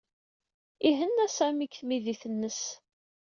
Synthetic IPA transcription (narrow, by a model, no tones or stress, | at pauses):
iɦənːæsæmikθmiðiθənːəs